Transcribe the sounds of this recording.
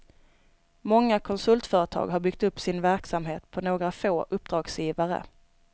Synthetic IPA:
mɔŋːakʰɔnsɵlt̪fœːɾət̪ʰɑ̰ːɡɦaɾbʏɡk̚t̪ɵpːsɪnvæɾksamɦeːt̪pʰɔnoːɡɾafoːʔɵpːd̪ɾɑːɡsjiːvaɾə̰

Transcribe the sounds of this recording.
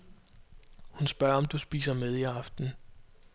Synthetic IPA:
hunsb̥ɶɐɒ̽md̥usb̥ḭːsɐmeð̞ˠiɑ̈fd̥n̩

